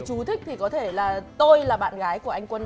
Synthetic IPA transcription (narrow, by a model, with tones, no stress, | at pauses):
t͡ɕu˨˦t̪ʰï˦˥k̟̚t̪ʰi˨˩kɔ˨˦t̪ʰe˧˩laː˨˩t̪o˧jlaː˨˩ɓa̰ː˧˨nɣaː˨˦jku˧˩əʔa˧jŋ̟kwə˧n